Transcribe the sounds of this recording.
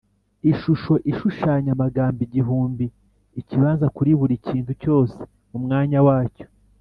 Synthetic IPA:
iʃuʃo̞ʔiʃuʃaːɲamaɡaːmbiɟiɦuːmbiː | ciβaːnzakuɾiβuɾiciːntuco̞ːse̥ | umŋaːɲawaːco

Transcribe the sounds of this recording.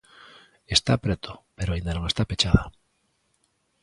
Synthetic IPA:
est̪apɾet̪opeɾoaind̪anoŋest̪apet͡ʃaða

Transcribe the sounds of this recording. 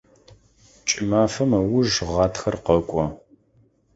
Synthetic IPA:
t͡ʃʼɪmaːfɐmɐwʊʒʁɑːtxɐrqɐkʷʼɔ

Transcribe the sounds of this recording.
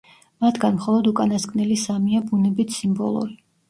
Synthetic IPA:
mat̪ʰɡanmχɔlˠɔd̪ukʼanaskʼnilisamiabunɛbit̪ʰsimbɔ̰lˠṵɾi

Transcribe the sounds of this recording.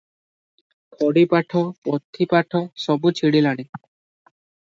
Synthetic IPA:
pʰɔɽipaʈʰɔpɔt̪ʰːipaʈʰɔsɔbut͡ʃʰiɽilaɽ̃e

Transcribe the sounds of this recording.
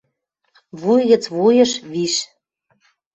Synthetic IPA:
βujɣə̆t͡sβujə̆ʃβiʃ

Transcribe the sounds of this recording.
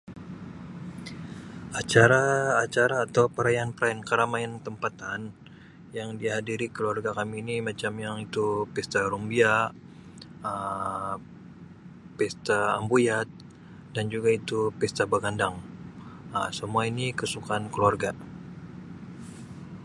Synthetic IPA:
at͡ʃaɾaːt͡ʃaɾaːt̪awpəɾajanpəɾaɛnkaɾamaɛnt̪əmpat̪an | jaŋdiɦadiɾikəluarɡakamiːnimat͡ʃamjaŋit̪upɛst̪aɾumbia | ə | pɛst̪aːmbujat̪̚ | dand͡ʒuɡait̪upɛst̪abaɡandaŋ | ə̰səmuainikəsukankəluarɡa

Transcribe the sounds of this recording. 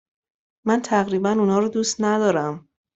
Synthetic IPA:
mænt̪ʰæɣɾiːbænuːnɒːɾɔd̪uːst̪næd̪ɒːɾæm

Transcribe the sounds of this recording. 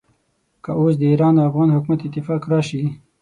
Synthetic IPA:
kəos̬d̪əiːɾɑːnd̪əafɣɑnhʊkmat̪ɪt̪ːɪfɑːkɾɑʃi

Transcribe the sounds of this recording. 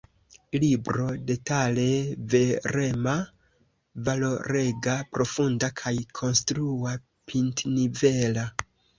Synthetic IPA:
libɾo̞de̞tale̞ve̞ɾe̞ma | valo̞ɾe̞ɡapɾo̞fundakʰajkʰo̞nstɾua | pintnivela

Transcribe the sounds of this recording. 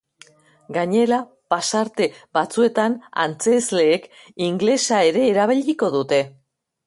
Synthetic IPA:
ɡaɲe̞la | pasaɾt̪e̞bat͡sue̞t̪ana̰nt͡se̞zle̞ːk | iŋɡle̞sae̞ɾe̞ːɾaβ̞iʎiko̞ðut̪e̞

